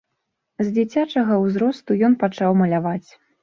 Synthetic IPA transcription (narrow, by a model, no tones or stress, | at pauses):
zʲd͡zʲit͡sʲat͡ʂɐɣɐwzɾɔst̪ujɔnpat͡ʂawmɐlʲavat͡sʲ